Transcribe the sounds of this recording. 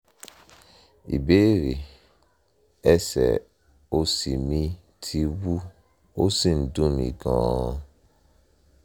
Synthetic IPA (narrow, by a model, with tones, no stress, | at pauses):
ḭ˨be˦ɾi˨ | ɛ˦sɛ̰˨ | o˦si˨mĩ˦ | tʰi˧wu˦ | o˦si˦˨n̩˨dũ˦˨n˨ḭ˨ɡɔ̰̃ː˨˦